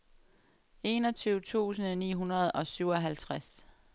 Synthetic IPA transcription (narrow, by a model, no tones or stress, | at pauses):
e̝ːnɒ̽t͡sʰyʊt͡sʰṵːsən̩nḭːɦunɐð̞̩ˠɒ̽syʊɒɦælt͡sʰʁas